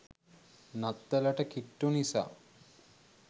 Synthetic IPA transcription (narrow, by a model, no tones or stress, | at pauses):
nat̪ːɛlɐʈəkiʈːunisa̰